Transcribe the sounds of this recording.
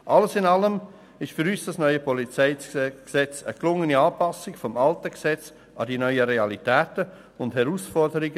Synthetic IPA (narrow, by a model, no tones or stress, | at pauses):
ʔɑləsɪnɑləm | ɪʃtfʏɾyːsd̥ɑsnœʏəpɔlit͡sɛɪksɛt͡səklʊŋəniɑːpɑsɪkfɔmɑltəksɛt͡s | ɑ̰diːnœʏəɾeɑlitɛːtə | ʊnthɛɾuːsfɔɾdəɾiɡə